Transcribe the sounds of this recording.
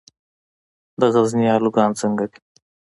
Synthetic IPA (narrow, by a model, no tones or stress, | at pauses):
d̪ɐɣɐznijaːluɡɑːnt͡səŋɡɐki̥